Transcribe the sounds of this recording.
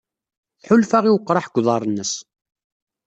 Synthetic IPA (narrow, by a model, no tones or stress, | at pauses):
θħʊlfaʁiwəqːɾˤɑħɡʷːðˤɑɾˤənːəs